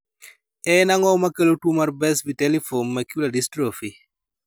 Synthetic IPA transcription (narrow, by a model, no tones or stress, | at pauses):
ɛnaŋɔmakelotwumarbɛsbitɛlifonmɛkjuladistɾofi